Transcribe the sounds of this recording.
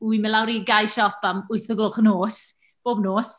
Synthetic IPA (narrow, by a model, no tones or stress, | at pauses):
wimɪlˠawɾiɡajʃɔpamʊɨθəɡlˠʊχnoːs | b̥oːbnoːs